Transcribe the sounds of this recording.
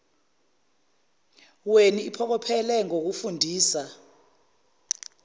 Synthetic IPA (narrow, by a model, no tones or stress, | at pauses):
weniːpʰɔk̬ɔpʰɛlɛŋok̬ufundʱiːsa